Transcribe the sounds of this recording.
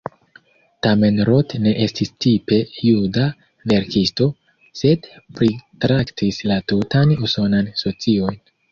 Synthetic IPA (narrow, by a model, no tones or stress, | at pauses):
tame̞nɾotne̞ʔe̞stistipe̞juda | ve̞ɾkisto̞ | se̞dpɾitɾaktʰislatutanuso̞nanso̞t͡sio̞jn